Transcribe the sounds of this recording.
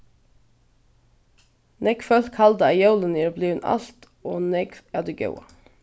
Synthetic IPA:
nɛɡfœlkʰhɑld̪əɑjɑʉləniːɾbliːnʔɑ̰lt̪ | oːnɛɡæːd̪ʉɡɑ̰ʉɑ̰

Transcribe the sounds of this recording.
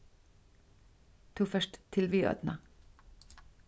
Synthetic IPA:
t̪ʰuːfœʃʈt̪ʰɪlʋyːœ̰d̪nɑ

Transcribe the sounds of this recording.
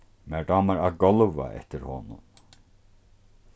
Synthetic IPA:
mɛɹɖɑːmaɾaɡɔlʋa̰ʔɛ̰ht̪ɪɾhɔːnʊ̰n

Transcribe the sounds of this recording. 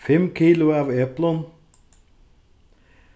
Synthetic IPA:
fɛmkʰiːlʊaːʋɛplən

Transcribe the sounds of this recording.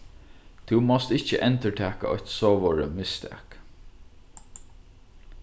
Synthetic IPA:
t̪ʰumɔst̪ɪht͡ʃəʔɛnt̪əʈʰæːka̰ɔ̰ht̪soːʋɔɹə̰mɪst̪ʰæ̰k

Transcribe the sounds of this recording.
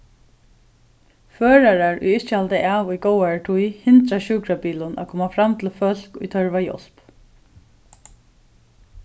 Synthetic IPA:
føːɹaɹaɹʊ̰jɪt͡ʃɪhalt̪ɪʔaːʋʊjɡɔwaɹʈʰujhɪnt̪ɾaʃuːkɾapiːlʊnʔa̰kʰɔːmafɾamt̪ʰɪlfœl̥kʊ̰jt̪ʰœɹʋajɔ̰l̥p

